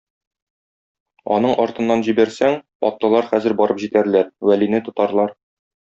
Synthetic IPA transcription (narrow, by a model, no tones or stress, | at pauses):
ɒ̰nɤɴʔɒɾt̪ɤ̆nːɑnʑibæɾsæŋ | ɒ̰t̪ːɑ̆lˠɑɾχæzɘɾbɒɾɤpʑit̪æɾlæɾwælinɘt̪ŏt̪ɑɾlˠɑɾ